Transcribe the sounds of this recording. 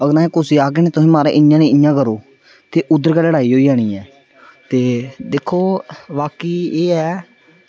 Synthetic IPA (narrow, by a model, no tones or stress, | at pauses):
əɡəɾaːẽːkʊsiːaːɡeːneːt̪ʊsĩːmaːɾa̰ʔɪjãːnĩːɪjãːkəɾoː | t̪eːʔʊd̪əɾkɛːləɽaːiːɦoːiːd͡ʒaːɽ̃ĩːɛː | t̪eːd̪ekʰːoːʋaːkiːeːɛː